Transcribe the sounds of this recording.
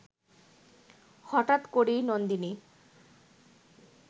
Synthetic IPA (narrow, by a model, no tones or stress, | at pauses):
hɔʈat̪koɽinond̪ini